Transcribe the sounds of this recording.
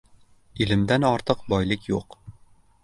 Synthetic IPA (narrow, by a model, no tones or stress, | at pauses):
ilɘ̆md̪ænɒɾt̪ɤqbɒjlˠɪkjuq